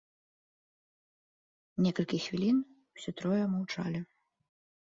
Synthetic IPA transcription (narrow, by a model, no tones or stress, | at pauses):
nʲɛkɐlʲkʲixvʲilʲin | wsʲɔt̪ɾɔjɛmɐwt͡ʂa̰lʲɪ